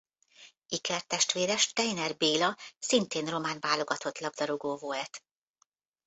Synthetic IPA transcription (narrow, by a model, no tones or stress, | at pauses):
ikɛrt̪ɛʃt̪ʋeːɾɛʃt̪ɛjnɛrbeːlɒsint̪eːnro̞maːnvaːlo̞ɡɒt̪ʰo̞t̪lɒbd̪ɒɾoɡoːvoːɛt̪